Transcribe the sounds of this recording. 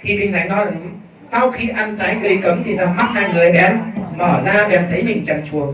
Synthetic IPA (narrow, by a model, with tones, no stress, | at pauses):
xi˧t͡ɕ̪ï˧ŋ̟t̪a˨˦ŋ̟nɔ˨˦ɨ˨˦ | sa˧wxi˧ʔa˧nt͡ɕaː˨˦jk̪ə˧jkə˨˦mt̪ʰi˨˩saː˧wɦaː˦˥t̚haː˧jŋɨ˨˩a˨˦jɓɛ˨˧˦mɔː˧˩zaː˧ɗɛ˧˩mt̪ʰə˨˦jmï˨˩ŋ̟t͡ɕə˨˩nt͡ɕu˨˩ət̚